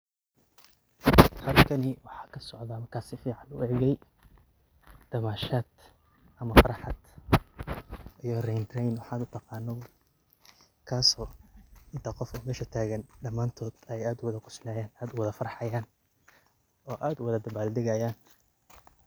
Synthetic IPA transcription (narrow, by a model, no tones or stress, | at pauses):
hɐlkʰɐnɪwɑħɑ̥ːkʰɐsɔʕd̪ɐmɐrkʰaːsɪfiːʕɑnʊ̰ɛʕɣɛj | d̪̥ɐmaːʃaːd̪̥ | ʔɐmɐfɐɾɑħɑd̪̥ | ʔijɔrɛjnd̪rɛjnwɑħɑːd̪ʊt̪ʰɑqɑːnːɔw | kʰaːsɔːɪnt̪ʰɐqɔfʊmɛːʃɐt̪ʰaːɣɐnɖɐmaːnt̪ʰɔːd̪ɛjaːd̪ʊwɐðɐkʰʊ̥sɪnaːjaːnaːd̪ʊwɐðɐfɐɾɑħɑjaːn | ʔɔːʔaːd̪ʊwɐðɐd̪ɐbaːld̪ɪɣɐjaːn